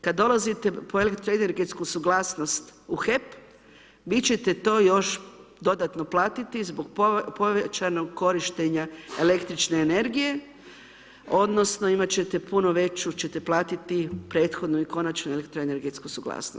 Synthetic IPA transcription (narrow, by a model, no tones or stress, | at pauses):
kad̪ːo̞lˠazit̪e̞po̞elekt̪ɾoene̞ɾɡe̞t̪skusuɡlaːsno̞st̪uxe̞p | ʋit͡ɕe̞t̪e̞t̪o̞ːjo̞ʃd̪o̞d̪at̪noplˠaːt̪it̪izboɡpoʋet͡ʃano̞ɡko̞ɾiʃt̪e̞ɲaele̞kt̪ɾit͡ʃne̞ːne̞ɾɡije̞ | o̞d̪no̞sno̞imat͡ɕe̞t̪e̞pʰunoʋe̞t͡ʃut͡ɕe̞t̪e̞plaːt̪it̪ipɾe̞ːt̪xo̞d̪nuiko̞nat͡ʃnuelekt̪ɾoene̞ɾɡet̪skusuɡlˠa̰ːsno̰st̪